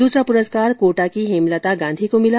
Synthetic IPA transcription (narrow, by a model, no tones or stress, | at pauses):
uːsɾapʊɾəskaːɾkoːʈakiɦemlət̪aɡãːnd̪ʱikomɪla